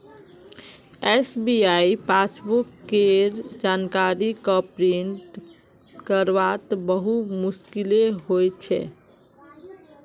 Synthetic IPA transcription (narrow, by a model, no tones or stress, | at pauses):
esbiaipʰasbukːeɾd͡ʒankaɾikapɾiɳʈ | kəɾʋat̪bəɦumuskileɦojt͡ʃʰɛ̰